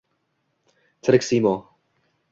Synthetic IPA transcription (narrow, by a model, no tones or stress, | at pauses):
t͡s̪ʰəɾɪksiːmo